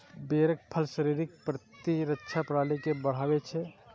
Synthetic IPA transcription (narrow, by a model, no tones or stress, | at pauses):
beːɾək̚pʰəlʃəɾiɾɪk̚pɾət̪iɾətːʃʰapɾaːlikebəɽ̤aːwet͡ʃʰɛ